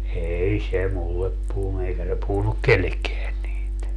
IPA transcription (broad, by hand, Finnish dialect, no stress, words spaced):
eːi se mulːep puhunu eikæ se puhunuk kelːekːeæn niːt